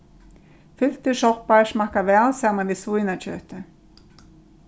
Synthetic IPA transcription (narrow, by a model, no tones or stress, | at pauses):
fʏl̥t̪ɪʂɔhpasmakavɛːlsaːmanviðsvujnat͡ɕʰœ̰ːht̪ɪ